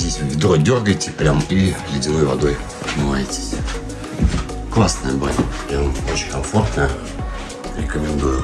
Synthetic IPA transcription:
zʲdʲesʲvɨvʲd̪rojdʲorɡəjtʲɪpɾʲamilɪdʲɪnojvɐ̰d̪oj | mɨvajɪtʲɪ̥sʲ | klˠasnəjəba̰lʲanot͡ɕɪnʲkɐmfort̪nə | ɾʲɪkəmʲɪnd̪ujʊ

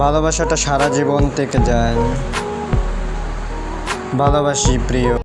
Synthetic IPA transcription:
bʱalobaʃaʈaʃaɾad͡ʑibont̪eked͡ʑaen | bʱalobaʃipɾijo

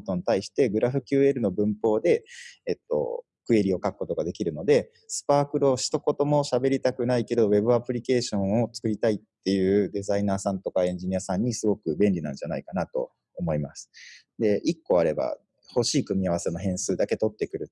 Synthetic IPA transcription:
t̪o̞ɲ̟it̪aiɕi̥t̪e̞ɡɯ̟ɾaɸɯ̟kʲɨːe̞ɾɯ̟no̞bɯ̟̃mpo̞ːd̪e̞ːt̪ːo̞̰ | kɯ̟e̞ɾʲio̞kakɯ̟̥ko̞t̪o̞ɡad̪e̞kʲiɾɯ̟no̞d̪e̞ | sɨ̥paːkɯ̟ɾoɕi̥t̪o̞ko̞t̪o̞mo̞ɕabe̞ɾʲit̪akɯ̟naike̞d̪o̞βe̞bɯ̟apɯ̟ɾʲike̞ːɕõ̞ɰ̃o̞t͡sɨ̥kɯ̟ɾʲit̪ait̪ːe̞jɯ̟ːd̪e̞zainaːsãnt̪o̞kaẽ̞ɲ̟d͡ʑiɲ̟iasãɲ̟ːisɨɡo̞kɯ̟bẽ̞nʲɾʲinã̰ɲ̟d͡ʑana̰ikanat̪o̞̰ː | mo̞imasɨ̥ | d̪e̞ʔikːo̞aɾe̞ba̰ | ho̞ɕiːkɯ̟mʲiaβ̞ase̞no̞ɦẽ̞ɰ̃sɨːd̪ake̞t̪o̞t̪ːe̞kɯ̟ɾɯ̟

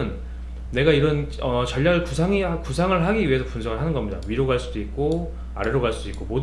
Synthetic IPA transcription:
ɯnː | e̞ɡaiɾʌn | ʌt͡ɕʌʎːaɡkusʰaŋikusʰaŋɯɭɦaɡiɥiɦe̞sʰʌpunsʰʌɡɯɭɦanɯnɡʌmɲida̰ɥiɾoɡaɭs͈udoik̚k͈o | a̰ɾeɾoɡaɭs͈ud̥oik͈omod

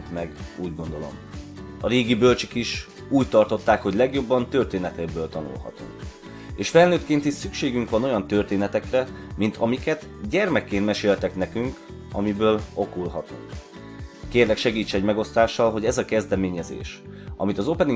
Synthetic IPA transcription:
mɛɡuːɟɡo̞n̪d̪o̞lo̞̰mɒreːɡibølt͡ʃykiʃ | uːct̪ɒrt̪o̞t̪ːaːkho̞ɟlɛɡjo̞bːɒnt̪ø̞rt̪eːnɛt̪ɛɡbøːlt̪ɒnṵlɦɒ̰t̪ṵŋk | eːʃfɛlnøːt̪keːnt̪it̪sykʃeːɡyŋkʋɒno̞jɒnt̪ørt̪eːnɛt̪ɛkrɛmint̪ʰɒmikɛt̪ɟɛrmɛkːeːnmɛʃeːlt̪ɛknɛkyŋk | ɒ̰mibøːlo̞kulɦɒt̪uŋk | keːrlɛkʃɛɡiːt͡ʃːɛɟmɛɡo̞st̪aːʃːɒlɦo̞ɟɛzɒkɛzd̪ɛmeːɲɛzḛːʃʔɒmit̪ɒzo̞pɛni

